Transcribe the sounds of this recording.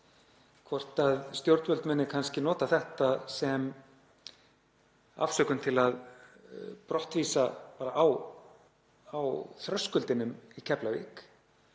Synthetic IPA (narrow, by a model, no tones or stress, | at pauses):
kʰvɔr̥t̪aðst̪jowɾt̪vœlmɛnːɪkʰanscɪnɔːt̪aθɛht̪asɛm | a̰fsœkʏmt̪ʰɪlað | pɾɔht̪viːsapaːɾaʔaw | awθɾœskʏlt̪ɪnʏmicʰɛplavḭːk